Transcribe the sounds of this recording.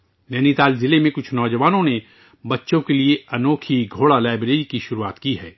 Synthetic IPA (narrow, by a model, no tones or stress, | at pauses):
jɛːnit̪aːlzɪlemẽkʊt͡ʃʰnɔːd͡ʒɐʋaːnõne | bɐtːʃõkelieɐnoːkʰiɡʱoːɽalaːɪbɾeːɾikiʃʊɾuaːt̪kiɦɛː